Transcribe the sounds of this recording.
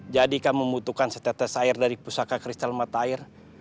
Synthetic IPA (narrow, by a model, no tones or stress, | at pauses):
d͡ʒadikaməmbut̪ukansə̥t̪at̪asaɪrdaɾipusakakɾist̪almat̪aaːɪr